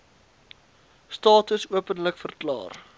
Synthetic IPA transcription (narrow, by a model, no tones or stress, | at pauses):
stɑːtəsuəpənləkfərklɑ̰ːr